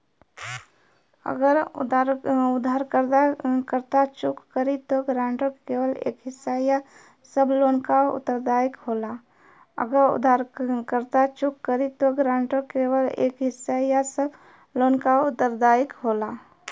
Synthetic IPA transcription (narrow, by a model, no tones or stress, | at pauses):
ə̰ɡəɾ | ʊd̪ʱaːɾkəɾt̪akəɾt̪at͡ʃʊkːəɾit̪oɡɾãːɳʈəkkeːwəlḛːkɦɪsːaja | səbloːnkaʊ̰t̪ːəɾd̪aːɪkɦoːla | ə̰ɡəɾʊ̰d̪ʱaɾkəɾt̪at͡ʃʊkːəɾit̪oɡɾãːɳʈəkeːwəlḛːkɦɪsːajasəb | loːnkaʊt̪ːəɾd̪aːɪkɦoːla